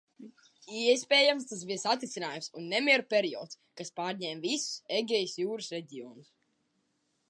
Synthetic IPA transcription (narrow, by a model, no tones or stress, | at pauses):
ɛspʲɛːjamst̪as̬bisat̪ɾʲit̪inaːjumsunːɛmʲiɛɾupʲɛɾiɔːt̪skaspaːɾɲɛːmvisu̥seɡʲɛjsjuːɾɨsɾɛɟiɔːnus